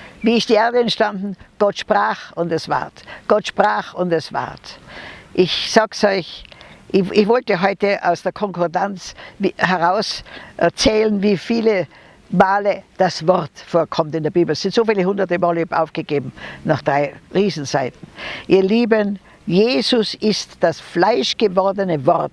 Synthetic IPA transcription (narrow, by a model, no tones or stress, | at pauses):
viːɪstd̥iːʔeɐdəɛntʃtandn̩ɡ̥ɔtʃpʁ̥aːχʊndɛsv̥a̰ɐtɡ̥ɔtʃpʁ̥aːχʊndɛsv̥a̰ɐtʔɪçsaːksɔʏçʔɪçv̥ɔltəɦɔʏtəʔa̰ʊsd̥eːɐkʰɔŋkʰɔɐdant͡sːhɛʁaʊsʔɛɐt͡sɛːlənviːfiːlə | maːləd̥asv̥ɔʁtfoːɐkʰɔmtɪndeːɐbiːbl̩ɛsɪntzoːfiːləhʊndɐtəmaːløbʔaʊfɡ̥əɡeːbm̩naχd̥ʁaɪʁiːzn̩zaɪtn̩ʔiːɐliːbən | jeːzʊsɪstd̥asflaɪʃɡ̥əvɔʁdənəvɔʁt